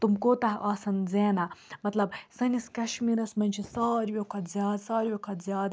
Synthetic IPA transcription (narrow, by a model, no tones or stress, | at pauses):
t̪umkoːt̪ɐɦʔaːsɐnzeːnamɐt̪lɐbsɐniskɐʃmiːɾɐsmɐnʲt͡ʃʰisaːɾjokʰɐt̪zʲjaːd̪saːɾʲijokʰɐt̪zjaːd̪